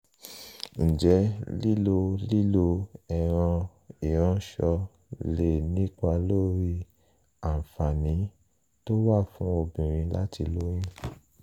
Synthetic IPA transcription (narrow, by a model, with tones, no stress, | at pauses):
n̩˨d͡ʒɛ˨˦li˦lo˧li˦lo˧ɛ˦˨ɾ̃ã˧ | i˨ɾ̃ã˨˦ʃɔ˧ | le˦˨nĩ˦k͡pa˧lo˦ɾi˧ | a˨fa˨nĩ˨˦ | to˦wa˦˨fũ˨˦o˧bĩ˨ɾ̃ĩ˧la̰˦ti˧lo˦j̃ĩ˦